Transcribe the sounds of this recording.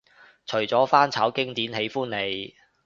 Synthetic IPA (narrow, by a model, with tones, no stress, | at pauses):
t͡ʃʰɵ˨˩ɥt͡sɔː˨˥faː˥nt͡sʰaː˨˥wkɪ˥ŋt̪iː˨˥nhe˨˥jfuː˥nle˨˧j